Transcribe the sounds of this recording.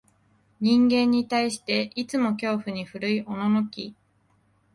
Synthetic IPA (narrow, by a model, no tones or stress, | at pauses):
ɲ̟ĩŋɡẽ̞ɲ̟ːit̪aiɕi̥t̪e̞ʔit͡sɨmo̞kʲo̞ːɸɯ̟ɲ̟iɸɯ̟ɾɯ̟iʔo̞nonokʲi